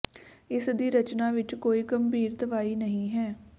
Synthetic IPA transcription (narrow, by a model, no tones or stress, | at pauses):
ɪsd̪iːɾət͡ʃnaːʋɪt͡ʃkoːiːɡəmbiːɾt̪əʋaːiːnəɦĩːɦɛː